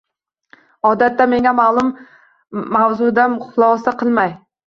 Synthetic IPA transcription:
ɒd̪at̪ːame̞ŋʲamalˠʊmː | awzʊd̪anχʊlˠɒsaqʰɨlˠmaj

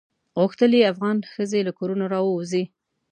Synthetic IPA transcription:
ɣʊxt̪əliafɣɑnxəzelakoɾunoɾɑwəwzi

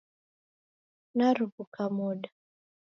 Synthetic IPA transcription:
naɾuβukamuɗa

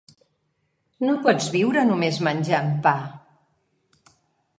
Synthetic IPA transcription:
nopɔd͡zβiwɾənumezmənʲʒaəmpa

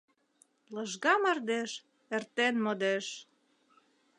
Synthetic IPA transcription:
lɤʒɣɑmərd̪eʃ | ert̪enmod̪eʃ

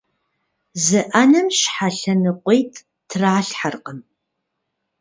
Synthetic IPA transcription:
zɨʔanɨmʃħaɬɐnɨqʷejtʰ | tʰraːɬħarqəm

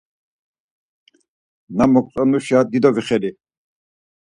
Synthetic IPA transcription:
namɔkʼt͡s̪ʼɔnuʃad̪id̪ɔɡiχɛli

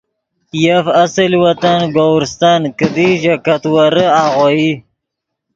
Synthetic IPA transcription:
jafasəlwat̪anɡowɾst̪ankəd̪iʒakat̪waɾəaɣoji

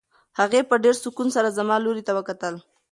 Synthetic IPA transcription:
haɣepəɖeɾsʊkunsaɾazamɑloɾit̪awəkat̪əl

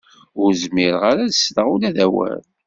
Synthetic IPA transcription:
ʊɾzmiɾʁaɾaðəsðəʁulæðæwæ̰l

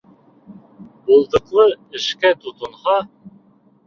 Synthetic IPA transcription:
bulˠd̪ɤ̆qlˠɤɘ̆ʃkæt̪ut̪ɤ̆nhɑ

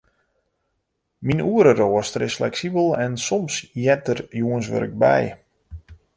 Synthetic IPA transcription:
minuəɾəroəstəɾɪsflɛksibəlˠɛnsɔmsjɛtərjuənsʋø̰ɾɪk̚bɛ̰j

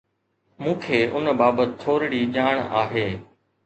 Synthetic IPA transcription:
mũːkʰeːʔʊnbaːbət̪t̪ʰːoːɾɪɽiʄaːɽ̃a̰ːɦeː

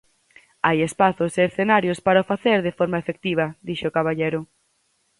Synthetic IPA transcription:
ajespaθʊseːɾθenaɾjospaɾaofaθeɾðefɔɾmaefek̚t̪iβɐd̪iʃʊkaβaʎejɾʊ

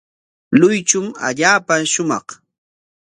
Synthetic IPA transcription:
lʊjt͡ʃʊma̰ʎaːpaʃʊmɑ̰χ

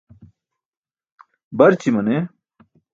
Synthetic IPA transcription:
bɐɾt͡ɕimɐne

